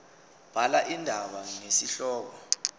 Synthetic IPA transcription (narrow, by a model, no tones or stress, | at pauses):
b̥ʱalaʔindʱaɓaŋesiɬɔːk̬ɔ